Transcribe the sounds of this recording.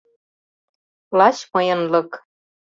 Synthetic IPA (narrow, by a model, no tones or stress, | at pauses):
lɑt͡ɕmɤjɤ̆nlɤ̆k